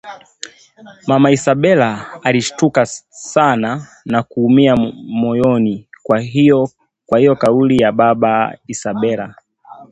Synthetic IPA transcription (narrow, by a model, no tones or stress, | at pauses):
mamaisaɓɛlaːliʃtukasana | nakuːmiamɔjɔnikwaiɔ | kwahijɔkaulijaɓaɓaisaɓɛla